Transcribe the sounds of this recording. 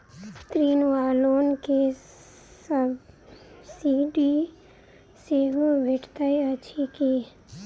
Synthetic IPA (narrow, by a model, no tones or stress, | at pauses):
t̪ɾiːnʋaːloːnke | səb | siɖi | seɦubʱeʈʰt̪aiət͡ʃʰiki